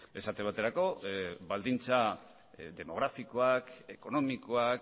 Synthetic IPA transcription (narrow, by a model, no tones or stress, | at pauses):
e̞sat̪eβ̞at̪e̞ɾako̞βald̪int͡sa | d̪e̞mo̞ɣɾafiko̞ake̞ko̞no̞mikoak